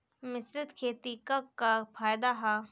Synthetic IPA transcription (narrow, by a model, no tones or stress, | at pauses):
mɪsɾɪt̪kʰeːt̪ikakːafʰaːjd̪aɦa